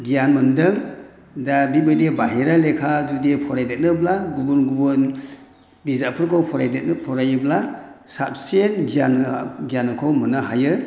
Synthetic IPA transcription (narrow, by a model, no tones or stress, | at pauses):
ɡijanmɯndɯŋ | dabibɯjdebaɦiɾalekʰazudepʰɔɾajdet̚nɯblaɡubunɡubɔn | bizapʰɯɾkʰawpʰɔɾajdenpʰɔɾajɯblasap̚senɡijanɡijanɯkʰawmɯnaɦajɯ